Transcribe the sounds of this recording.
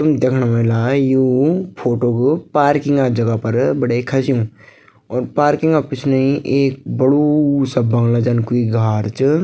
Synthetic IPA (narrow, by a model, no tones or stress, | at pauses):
t̪ʊmd̪eːkʰnamɐɦlaːjuːpʰoːʈoːkpaːɾkɪ̃ŋɡad͡ʒɐɡapɐɾbɐɽekʰɐsijũ | ɔːɾpaːɾkɪ̃ŋɡaːpɪt͡ʃʰneĩʔeːk̚bɐɽusɐbːɐ̃ŋɡlad͡ʒankuiɡʱaːɾt͡ʃ